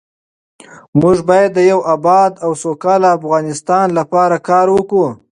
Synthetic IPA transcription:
mʊʐbɑjad̪ːəjawabɑd̪awsokɑlaːfɣɑnɪst̪ɑnlapɑɾakɑɾwəku

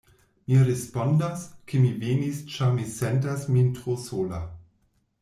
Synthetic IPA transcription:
miɾespondaskʰemivenist͡ʃamisɛnt̬asmintʁosoːla

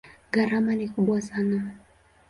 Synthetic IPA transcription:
ɡaɾamanikuɓwasana

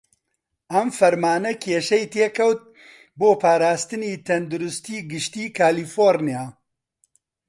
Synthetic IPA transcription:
ʔɐmfɐɾmaːnɐkʲʰeːʃɛjt̪eːkɐwt̪̚ | boːpʰaːɾaːst̪ɨniːt̪ʰɐnd̪uɾʊst̪iːɡɨʃt̪iːkʰaːliːfoːɾnijaː

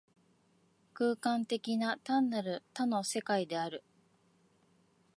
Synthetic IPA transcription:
kɯːkãnt̪e̞kʲinat̪ãnːaɾɯ̟t̪ano̞se̞kaid̪e̞aɾɯ̟

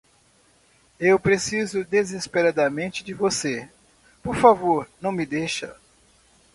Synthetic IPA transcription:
ewpɾesizʊd̪ezespeɾad̪ɐmẽnt͡ʃɪd͡ʒɪvose | poɾfavoɾnɐ̃w̃mɪd̪ejʃɐ̰

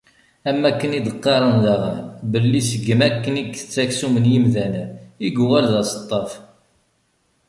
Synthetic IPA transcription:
æmːækːənid̪əqːɑɾˤənðæʁəbəlːisəɡːəmækːəniɡθə̥t͡sːæksumənjimðænæiɡwælðæsə̥t̪ˤːɑf

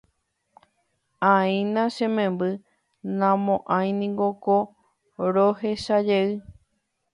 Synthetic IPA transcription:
ãĩnãʃẽmẽmbɨ | nãmõʔãj̃nĩŋɡoko | ɾoɦeʃad͡ʒeɨ

